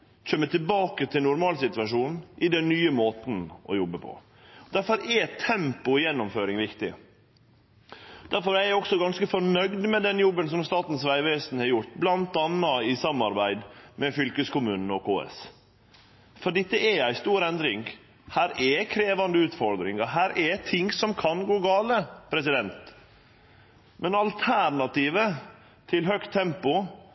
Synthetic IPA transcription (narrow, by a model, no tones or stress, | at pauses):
c͡çʰœmːət̪ʰɪlbɑːkət̪ʰɪlnʊɾmɑːlsɪt̪ʉʋɑʂuːnʔɪd̪ɛnːyːəmoːt̪n̩ʔɔ̰jɔbːəpʰɔ̰ | d̪̥æɾfɔɾɛt̪ʰːɛmpʊjɛnːʊmføːɾɪŋʋɪkt̪ɪ̰ | d̪̥æɾfɔɾæɪæɾɔksɔɡɑnskəfɔɳœɡd̪mɛd̪ɛnjɔbːənsɔmst̪ɑːt̪n̩sʋæɪʋeːsnhɑɾjʊɾʈ̪blɑnt̪ɑnːɑɪsɑmɑɾbæɪd̪mɛfʏlkəskʊmʉːnn̩ɔkʰoːɛ̰s | fɔɖiːt̪ːɛʔɛæɪst̪uːɾɛnd̪ɾɪŋ | hæːɾɛkʰɾeːʋɑnd̪əʉːt̪fɔɾd̪ɾɪŋɑɦæːɾɛt̪ʰɪŋsɔmkʰɑnɡoːɡɑːləpʰɾɛsɪd̪ɛnt̪ | mɛnɑlt̪ʰæɾɳɑt̪iːʋə | t̪ʰɪlɦœkt̪ʰːɛmpʊ